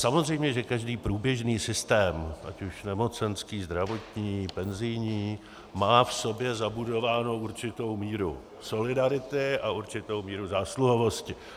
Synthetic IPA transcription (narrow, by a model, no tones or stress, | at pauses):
samo̞zr̝ɛjmɲɛʒɛkaʒdiːpɾuːbjɛʒniːsɪst̪ɛːmʔacuʃnɛmo̞t͡sɛnskiːzd̪ɾavo̞t̪ɲiːpɛnzɪjɲiː | maːfso̞bjɛzabudo̞vaːno̞ʔuɾt͡ʃɪt̪o̞wmiːɾṵ | so̞lɪdaɾɪt̪ɪʔaʔuɾt͡ʃɪt̪o̞wmiːɾuzaːsluɦovo̞scɪ